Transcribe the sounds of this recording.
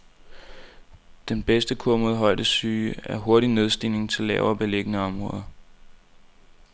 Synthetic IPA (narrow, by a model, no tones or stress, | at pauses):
d̥enb̥esd̥əkʰɔɐməðˠɦɒ̽ɪ̰d̥əsyːæɐɦo̝ɐɾine̝ð̞ˠsd̥ḭne̝ŋt͡sʰe̝lːɛ̰ʊɐːb̥e̝le̝ɡ̥ənəɒ̽mʁɔ̽ːðˠɐ